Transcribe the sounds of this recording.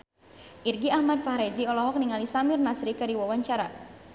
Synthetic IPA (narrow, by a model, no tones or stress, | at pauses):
ʔirɡiahmad̚fahɾɛziɔlɔɦɔk̚niŋalisamɪrnasɾikaɾiwawaɲt͡ʃaɾa